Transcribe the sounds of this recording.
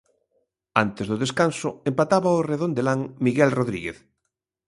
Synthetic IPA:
ant̪ezðoðeskansʊempat̪aβaoreðond̪elaŋmiɣɛlroðɾiɣeθ

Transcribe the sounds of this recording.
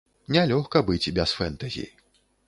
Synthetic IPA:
nʲalʲɔxkɐbɨt͡sʲbʲɛsfɛnt̪ɐzʲḭji

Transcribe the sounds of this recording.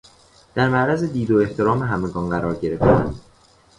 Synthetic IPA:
d̪̥æɾmæʔɾæze̞d̪iːd̪oe̞ht̪ʰe̞ɾɒːmeɦæmeɡɒːnɢæɾɒːɾɟe̞ɾe̞ft̪æ̰nd̪

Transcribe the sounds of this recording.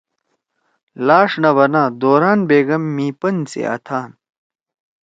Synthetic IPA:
laːʂnɐʋɐnaːd̪oːɾaːnbeːɡɐmːiːpɐnt͡sḛʔɐ̰t̪ʰaːn

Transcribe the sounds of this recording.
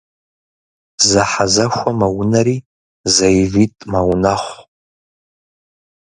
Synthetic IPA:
zaħazaʃʷamawnaɾi | zajvitʼmawnaχʷ

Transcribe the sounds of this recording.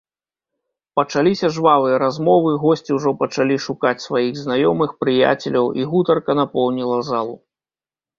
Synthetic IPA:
pɐt͡ʂalʲisʲɐʐvavɨjɐɾazmɔvɨɣɔsʲt͡sʲiwʐɔpɐt͡ʂalʲiʂukat͡sʲsvajiɣznajɔmɨxpɾɨja̰t͡sʲɛlʲɐwʔḭɣut̪ɐrkɐnapɔwnʲilˠɐzalˠu

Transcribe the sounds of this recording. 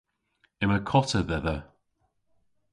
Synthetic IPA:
ɪməkʰɔtəðɛðə

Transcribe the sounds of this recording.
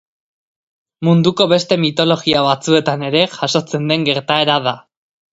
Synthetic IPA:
mund̪uko̞βe̞st̪e̞mit̪o̞lo̞ɣiaβat͡sue̞t̪ane̞ɾe̞ʝaʃo̞t͡se̞nd̪e̞ŋɡe̞ɾt̪ae̞ɾaða

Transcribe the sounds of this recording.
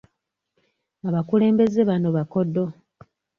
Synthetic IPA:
aβakule̞ːmbe̞zeβano̞βako̞dːo̞

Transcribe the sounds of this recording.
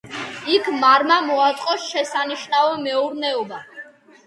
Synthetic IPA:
ikʰmaɾmamɔat̪ʼqʼɔsʃɛsaniʃnavɛmɛuɾnɛɔba

